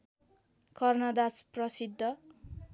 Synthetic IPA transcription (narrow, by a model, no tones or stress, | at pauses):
kʌrnʌd̪asprʌsid̪ʱːʌ